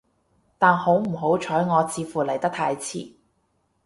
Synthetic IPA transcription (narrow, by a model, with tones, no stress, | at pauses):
t̪aː˨nho˨˥wm̩˨˩ɦo˨˥wt͡ʃʰɔː˨˥jŋɔː˨˧t͡siː˧fuː˨˩lɐ˨˩jt̪ɐ˥k̚t̪ʰaː˧jt͡sʰḭː˨˩